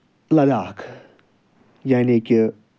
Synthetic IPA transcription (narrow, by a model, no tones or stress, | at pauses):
lɐd̪aːkʰ | janikʲi